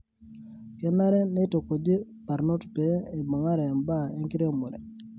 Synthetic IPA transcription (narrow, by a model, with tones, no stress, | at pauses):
kɛ˨˦na˦ɾɛ˦ne˦to˨ko˨d͡ʒe˦pa˨ɾno˦tpɛ˨˦e˨bɔ˨ŋa˦ɾɛ˨mba˦e˦ŋki˦ɾe˦mo˨ɾɛ̰˨